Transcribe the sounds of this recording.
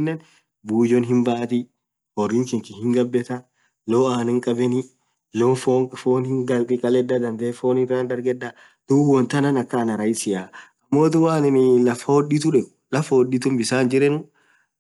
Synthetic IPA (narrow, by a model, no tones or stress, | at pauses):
nːɛn | buːd͡ʒɔnɦɪmbaːt̪ɪ | hɔrːiŋkɪŋkɪhɪŋɡɐbːɛt̪ɐ | loːaːnɪŋkʼɐbɛnɪ | loːfoːfoːnhɪŋɡɐlt̪ʼɪkʼɐlɛdːɐd̪ɐnd̪eːfoːnɪrːaːnd̪ɐɾɡɛᶑːɐ | d̪̥uwɔnt̪ɐnɐnɐkːɐːnɐɾɐjɪsɪjaːɐmːoːt̪ʊwaːnɪnlɐfːɐwɔdit̪ʊᶑɛɡ | lɐfːɐwɔɗit̪ʊmbɪsaːnd͡ʒɪɾɛnʊ